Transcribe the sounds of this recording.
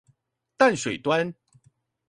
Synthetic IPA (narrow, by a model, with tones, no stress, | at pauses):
t̪a˥˨nʂwe˨˩t̪wa˦n